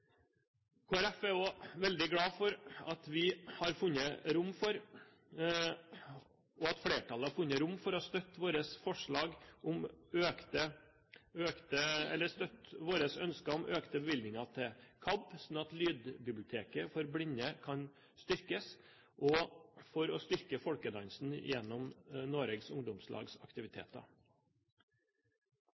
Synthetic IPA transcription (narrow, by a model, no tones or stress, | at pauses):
kʰoːæɾɛfɛoːʋɛld̪ɪɡɽɑːfɔɾɑt̪ʋɪhɑɾfʉnːəɾʊmːfɔɾ | ɔɑt̪fɽeːʈʰɑləɑɾfʉnːəɾʊmfɔɾɔɑst̪œt̪ːʋoːɾəsfɔʂɭɑːɡʔɔmøkt̪ə | øːkt̪əɛ̰lːəst̪œt̪ʋoːɾəsœnskəʊmʔøːkt̪əbəʋɪld̪nɪŋɑt̪ʰɪkʰɑbsnɑt̪lyːd̪bɪblɪʊt̪ʰeːkəfɔɾblɪnəkʰɑn | st̪ʏɾkəs | ʔɔfɔɾɔst̪ʏɾkəfɔlkəd̪ɑnsn̩ɪ̰jɛnːɔmnoːɾɛɡsʊŋd̪ʊmslʔɑ̰ːɡsɑ̰kt̪ɪʋɪt̪ʰḛːt̪ɑ̰